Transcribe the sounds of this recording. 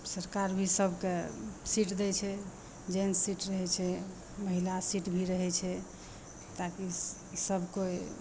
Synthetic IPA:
səɾkaɾbʱisəbʱkesiʈd̪ɛt͡ʃʰɛ | d͡ʒeniʈɾəɦɛt͡ʃʰɛ | məɦilasiʈbʱiɾəɦɛt͡ʃʰɛ | t̪aki | səbʱkoe

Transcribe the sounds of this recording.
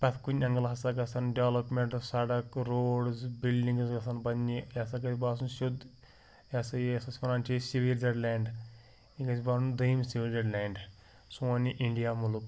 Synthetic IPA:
pɐt̪ʰkunɐŋɡɐlɐɦɐsaɡɐsɐnɖeʋlɐpmeɳʈsɐɖɐkɾoːɖzbilɖiŋɡsɡɐsanbɐnːijɐsaɡɐt̪ʲibaːs̬unʃud̪ | jɐsɐesɐspɐnaːnt͡ʃesiʋiɾd͡ʒɐɖlaːɳɖ | iɡɐsʲibaːsund̪ɐjimsiʋiɾd͡ʒɐɖlʲaːɳɖ | sumɐniʔiɳɖijaːmuluk

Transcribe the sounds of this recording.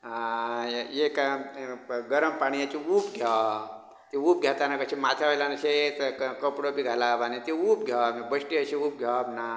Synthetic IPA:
a | ek | ɡəɾəmpaɽ̃ijat͡ʃiupɡʱja | t̪iup̚ɡʱjat̪anakət͡ʃʰimat̪ʰaɦojlanat͡ʃʰet̪kkəpɽobʱiɡʱalabanit̪iupɡʱjamebəsʈiət͡ʃʰiuːp̚ɡʱjabna

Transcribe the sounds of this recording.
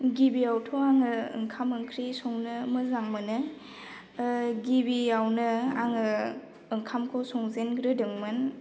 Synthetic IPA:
ɡibiawtʰowaŋɯɯŋkʰamɯŋkʰɾisɔŋnɯmɯzaŋmɯnɯ | ɡibijawnɯaŋɯː | ŋkʰamkʰosɔŋzenɡɾɯdɯŋmɯn

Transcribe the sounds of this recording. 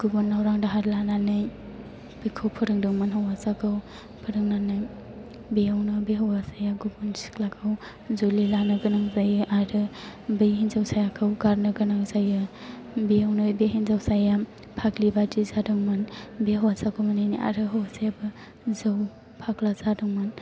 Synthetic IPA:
ɡ̥ubunːawɾaŋdaɦaɾlananɯj | b̥ɯjkʰɯwpʰɯɾɯŋdɯŋmɯnɦawazakʰɯw | pʰɯɾɯŋnanɯj | bijawnɯbeɦawasajaɡubunsi̥klakʰɯw | zolilanɯɡɯnaŋzajɯʔaɾɯbɯjɦinzawsajakʰɯwɡaɾnɯɡɯnaŋzajɯ | bijawnojbeɦinzawsaja | pʰaklibadizadɯŋmɯnbeɦawasakʰɯwmanajniʔa̰ɾɯɦawasajabɯ | zɯw | pʰaklazadɯŋmɯn

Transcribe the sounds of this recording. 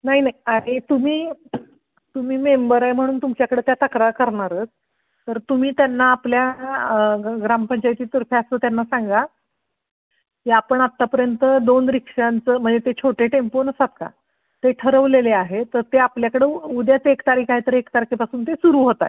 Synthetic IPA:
naɦinaɦiaɽit̪um̤iː | t̪um̤iːmembəɾaɦem̤əɽ̃uːnt̪umt͡ɕjakəɽeːt̪jat̪əkɾakəɾɳaɾət͡s | t̪əɾt̪um̤iːt̪janːaːplja | ɡɾampəɲt͡ɕajt̪iːt̪əɾfjasəːt̪janːasaŋɡa | kiapəɳat̪ːapəɾjənt̪əd̪onɾikʂant͡səːm̤əɳd͡zet̪et͡ɕʰoʈeʈemponəsat̪ka̰ | t̪eʈʰəɾəʋleleaɦet̪əɾt̪eapljakəɽeːud̪jat͡sekt̪aɾikʰaɦit̪əɾekt̪aɾikʰepasuːnt̪esuɾuːɦot̪a̰

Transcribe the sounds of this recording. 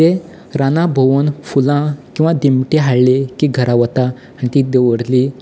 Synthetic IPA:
e | ɾanãbʱəʋənfulãkĩw̃ʋad̪imʈeɦaɭlekiɡʱəɾaʋət̪a | añit̪id̪eʋəɽli

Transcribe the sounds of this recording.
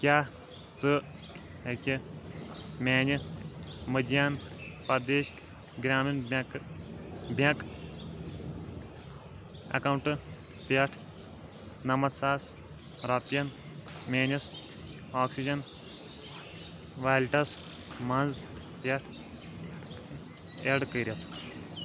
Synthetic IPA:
kʲjaː | t͡sɨ | ekʲi | meːnɐ | mɨd̪jaːnpɐd̪eːʃk | ɡɾʲaːmink | bʱjɐk | ɐ̰kɐwɳʈɨ | pjɐʈʰ | nɐmɐt̪saːs | ɾɐpjɐn | mʲeːnɐs | aːksid͡ʒɐn | ʋaːjlʈɐs | mɐ̃nz | pjɐʈʰ | eɽkəɾʲɐt̪

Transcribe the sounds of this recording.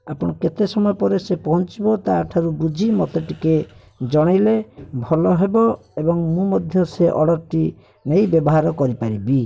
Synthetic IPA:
apɔɽ̃ɔket̪esɔmɔjɔpɔɾesepɔɦɔnt͡ʃibɔt̪aʈʰaɾubud͡ʒʱimɔt̪eʈike | d͡ʒɔɽ̃ilebʱɔlɔɦebɔ | ebɔŋmũmɔd̪ʱjɔseʔɔɽɔkʈi | nejbjɔbɔɦaɾɔkɔɾipaɾibi

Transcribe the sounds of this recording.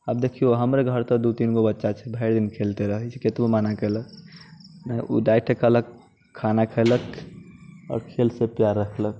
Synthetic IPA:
əb̚d̪ekʰijoɦəmɾeɡʱəɾt̪ɔd̪ut̪inkobətːʃat͡ʃʰɛbʱəɪɾd̪inkʰeːlt̪eɾəɦit͡ʃʰiket̪bomaːnakelək | naṵd̪ajʈʰekələkʰː | anakʰelək | ɔ̰ːɾkʰelsepjaɾːəkʰlək̚

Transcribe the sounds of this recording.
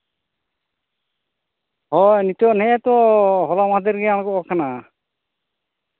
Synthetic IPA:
hɔnit̪ɔnɛɛt̪ɔɦɔlamãd̪ɛɾɡɛañɡɔkʰana

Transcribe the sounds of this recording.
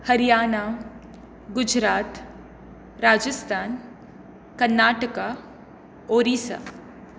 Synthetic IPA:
hɐɾijaːna | ɡʊd͡ʒɾaːt̪ | ɾaːd͡ʒəst̪ʰaːn | kɐɾnaːʈəka | oːɾiːsa̰

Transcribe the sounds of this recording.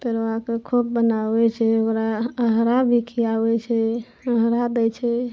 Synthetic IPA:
p̪əɾoakekʰub̚ːənabɛt͡ʃʰɛokɾaəɦɾabʱikʰiabɛt͡ʃʰɛ | əɦɾad̪ɛt͡ʃʰɛ

